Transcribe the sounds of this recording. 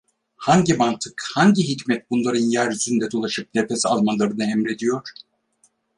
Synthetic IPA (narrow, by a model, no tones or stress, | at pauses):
haɲɟimant̪ʰɯkhaɲɟiɦicmɛt̪̚bunlˠaɾɯnjæɾyzynd̪ɛd̪o̞lˠaʃɯp̚nepesalˠmanlˠaɾɯnɯɛmɾe̞d̪ijo̞ɾ̥